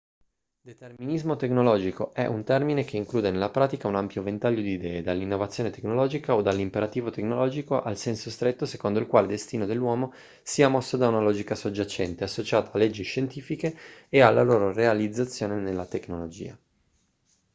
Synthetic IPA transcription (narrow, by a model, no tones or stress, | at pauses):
d̪et̪erminizmot̪eknolɔːd͡ʒikoʔɛʔunt̪ɛrminek̟ʰeiŋkluːd̪enelːapɾaːt̪ikaunampjovent̪aʎːod̪iːd̪ɛːed̪alːinːovat̪sːjoːnet̪eknolɔːd͡ʒikaod̪alːimpeɾat̪iːvot̪eknolɔːd͡ʒikoʔalsɛnsost̪ɾet̪ːosekond̪oilkwaːled̪est̪iːnod̪elːwɔːmo | siːamɔsːod̪aunalɔːd͡ʒikasod͡ʒːat͡ʃɛnt̪easːot͡ʃaːt̪aalːed͡ʒːiʃent̪iːfikeːalːaloːɾorealid̪zːat̪sːjoːnenelːat̪eknolod͡ʒḭːa̰